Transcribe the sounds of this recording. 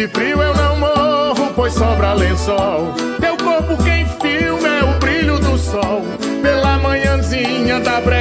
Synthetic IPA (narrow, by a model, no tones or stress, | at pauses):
ɪfɾiwewnɐ̃w̃mooɦʊpojsɔbɾalẽsɔw | t̪ewkoɾpʊkẽj̃fiwmɛʊbɾiʎʊd̪ʊsɔw | pelɐmɐ̃ɲɐ̃zĩɲɐd̪ɐbɾɛ